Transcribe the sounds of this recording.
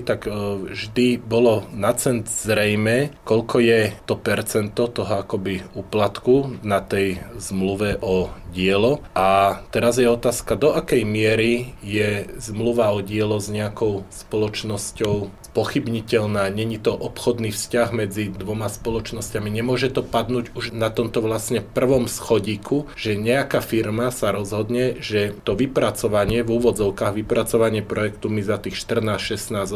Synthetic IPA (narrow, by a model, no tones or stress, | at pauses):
t̪akʒd̪ibɔlɔnat͡sɛnzɾɛjmɛkɔʎkɔjɛt̪ɔpɛɾt͡sɛnt̪ɔt̪ɔɦɔakɔbiuːplat̪kunat̪ɛjzmluʋɛʔɔɟɪɛlɔʔat̪ɛɾazjɛɔt̪aːskad̪ɔʔakɛjmɪɛɾijɛzmluʋaɔɟɪɛlɔzɲɛakɔʊspɔlɔt͡ʃnɔscɔʊspɔxibɲicɛʎnaːɲɛɲit̪ɔʔɔpxɔd̪niːfscaɣmɛd͡zid̪ʋɔmaspɔlɔt͡ʃnɔscamiɲɛmʊɔʒɛt̪ɔpad̪nuːɟuʒnat̪ɔmt̪ɔʋlasɲɛpr̩ʋɔmsxɔɟiːkʰuʒ̥ɛɲɛakafiɾmasaɾɔzɦɔd̪ɲɛʒɛt̪ɔʋipɾat͡sɔʋaɲɪɛvuːʋɔd͡zɔʊkaːɣʋipɾat͡sɔʋaɲɪɛpɾɔjɛkt̪umizat̪iːxʃt̪r̩naːʃɛsnaːz